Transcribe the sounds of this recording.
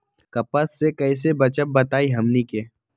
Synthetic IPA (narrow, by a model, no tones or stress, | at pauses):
kɐpət̪sekɐɪs̬ebɐt͡ʃəp̚bɐt̪aːiɦɐmnikeː